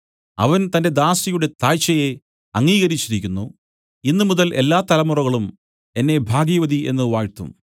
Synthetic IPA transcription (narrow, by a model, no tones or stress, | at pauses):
ɐ̰ʋɐnt̪ɐnde̞d̪aːsijuɽe̞t̪aːjt͡ɕːɐje̞ | ɐŋːiːɣɐɾit͡ɕːiɾikʲːunːu | inːɨmuðɐlʔe̞lːaːt̪ɐlɐmurɐɣɐɭum | e̞nːe̞bʱaːɡijɐʋɐd̪iʔe̞̰nːɨʋaːɻt̪ṵm